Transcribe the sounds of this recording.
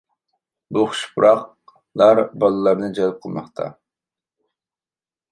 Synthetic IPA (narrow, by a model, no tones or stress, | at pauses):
buχʊ̥ʃpʰʊɾɑq | lˠɑɾbɑlˠɨlˠɑɾnɨd͡ʒɛlˠɨp̚qʰəlˠmɑ̰χt̪ʰɑ̰